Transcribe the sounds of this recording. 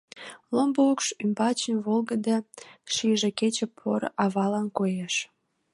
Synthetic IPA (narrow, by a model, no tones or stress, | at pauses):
lombəukʃymbɑt͡ɕənβolɡəd̪eʃiʒeket͡ɕĕpʰo̰ɾ̰ʔɑβɑlɑnkojeʃ